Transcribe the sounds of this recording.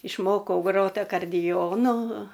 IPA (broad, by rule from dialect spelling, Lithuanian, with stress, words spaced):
ɪʃˈmoːkɐʊ ˈɡroːt ɐkɐrʲˈdʲɪjoːnʊ